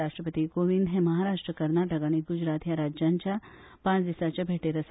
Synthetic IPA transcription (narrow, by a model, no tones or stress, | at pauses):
aʂʈɾəpət̪iɡoʋind̪ɦẽməɦaɾaʂʈɾəkəɾnaʈəkaɽ̃iɡud͡ʑɾat̪jaɾad͡ʑjaɲt͡ɕja | pãt͡sd̪isat͡ɕjabʱeʈeɾəs